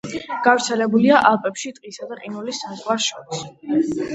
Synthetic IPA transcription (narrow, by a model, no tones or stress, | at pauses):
ɡ̥avɾt̪sʰɛlɛbuliaʔalˠpʼɛpʃit̪ʼqʼisad̪aqʼinulisamzʁwaʃɔɾis